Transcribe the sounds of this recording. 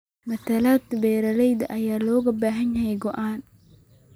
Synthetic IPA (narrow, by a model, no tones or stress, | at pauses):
mɐt̪ʰɐlaːt̪bɛːɾɐlɛjd̪ɐʔɐjaːlɔːɣɐbaːɦɐɲjɐɦɛjɡɔʔaːn